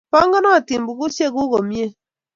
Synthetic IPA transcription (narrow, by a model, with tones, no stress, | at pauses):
pɔ˦ŋɡɔ˦nɔ˦a˨ti˨mbu˨ku˦ʃe˦ku˦ko˨mje˦